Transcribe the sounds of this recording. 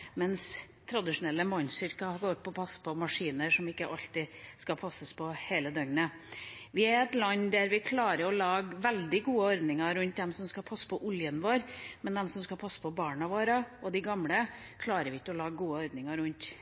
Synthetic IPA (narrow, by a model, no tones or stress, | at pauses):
mɛns | t̪ʰɾɑd̪ɪʂʊnɛlːəmɔɪnsʏɾkɑɡoːɾpʰɔpʰɑspʰɔmɑʂiːnəɾʂɔmɪkːəʔɑlt̪ɪskɑpʰɑsəspʰɔheːləd̪œŋɡnə | ʋɪæɾɛt̪lɑnd̪æɾʋɪkʰlɑːɾəɾɔlɑːɡʋɛld̪ɪɡuːəɔɾd̪nɪŋɑɾʉnt̪d̪ɛmsɔmskɑpʰɑsːə̥pʰɔʔʊljənʋoːɾmɛnd̪ɛmsɔmskɑpʰɑsːə̥pʰɔbɑːɳɑʋoːɾɑɔd̪ɪɡɑmɽə | kʰlɑːɾəɾʋɪɪkːəɔlɑːɡəɡuːəɔɾd̪nɪŋɑɾʉnt̪